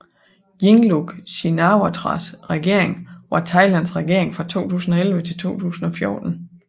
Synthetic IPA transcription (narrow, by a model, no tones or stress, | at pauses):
jiŋluɡ̥ɕinɑʊat͡sʰʁɑ̰sʁɛɡ̥e̝ɐ̰eŋʋɑ̈t͡sʰɑ̈ɪlænsʁɛɡ̥e̝ɐ̰e̝ŋfʁɑ̈t͡sʰo̝̰ːt͡sʰṵːsn̩ɒ̽elʋət͡sʰe̝lt͡sʰo̝̰ːt͡sʰṵːsn̩ɒ̽fjɔːd̥n̩